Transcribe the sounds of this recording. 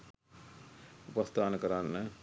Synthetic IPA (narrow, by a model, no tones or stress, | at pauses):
upəst̪ʰaːnkɐɾaːnːɛ